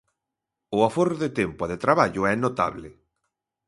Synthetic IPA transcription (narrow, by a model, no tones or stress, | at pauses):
ʊafoɾðet̪empʊaðet̪ɾaβaʎʊɛnot̪a̰βlɪ